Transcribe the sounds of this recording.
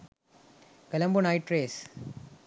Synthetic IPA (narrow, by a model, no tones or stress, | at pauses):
kɐlɐmbunaɪʈɾeːs